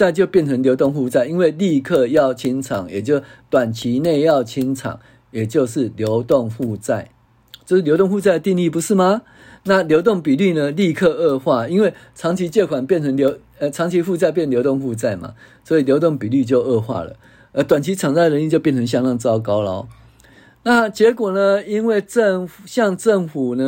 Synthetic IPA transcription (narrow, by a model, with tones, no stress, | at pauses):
t͡sa˥˧ɪt͡ɕjo˥˧ʊpjɛ˥˩˨nt͡sʰə˧˦ŋljo˧˥t̪ŋɸu˥˧t͡sa˥˩ɪi˦˥nwe˥˧ɪli˥˧kʰɤ˥˧jɑ˥˨ʊt͡ɕʰi˦˥nt͡sʰɑ˨˩˦ŋjɛ˨˩t͡ɕjo˥˩ʊt̪wa˨˩nt͡ɕʰi˨˦ne˥˧ɪjɑ˥˨ʊt͡ɕʰi˦nt͡sʰɑ̰˨˩˦ŋ | je˨˩t͡ɕjo˥˧ʊʂɻ̩˥˩ljo˨˦ʊt̪o˥˧ŋɸu˥˧t͡sa˥˩ɪ | t͡ɕjo˥˧ʊʂ̩˥˩jo˧˦ʊt̪o˥˧ŋɸu˥˧t͡sa˥˩ɪə˨˩t̪i˥˧ŋi˥˩pu˧˦ʂɻ̩˥˩ma˨ | na˥˨ljo˧˥ʊt̪o˥˨˩ŋpi˨˩ly˥˩nə˨li˥˧kʰɤ˥˧ə˥˧xwa˥˩i˦˥nwe˥˩ɪt͡sʰɑ˧˥ŋt͡ɕʰi˧˥t͡ɕjɛ˥˩kʰwa˨˩npjɛ˥˨nt͡sʰə˧˥ŋljʊ | ə˧t͡sʰɑ˧˥ŋt͡ɕʰi˧˦˥fu˥˧t͡sa˥˧ɪpjɛ˥˩nljo˧˥ʊt̪o˥˧ŋfu˥˧t͡sa˥˩ɪma̰˩swɔ˧˥i˨˩ljo˧˥ʊt̪o˥˩ŋpi˨˩ly˥˧t͡ɕjo˥˧ʊə˥˧xwa̰˥˩lə̰˩ | ə˧˦t̪wa˨˩nt͡ɕʰi˨˥t͡sʰɑ˨˩ŋt͡sa˥˩ɪ˨ə˧˦ni˥˧˩t͡ɕjo˥˧pjɛ˥˨nt͡sʰə˧˦ŋɕja˥˧ŋlɑ˥˧ŋt͡sɑ˥˦ʊka˦ʊla˨˦ʊ | na˥˨t͡ɕjɛ˧˥kwɔ˨˩nə˦i˦˥nwe˥˩ɪt͡sə˥˧ŋ˩ɕjɑ˥˧ŋʈ͡ʂə˥˩ŋfu˨˩nə˦